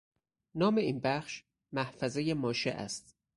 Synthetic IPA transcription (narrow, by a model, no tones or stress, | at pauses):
nɒːme̞iːnbæxʃ | mæhfæzejemɒːʃḛʔæ̰st̪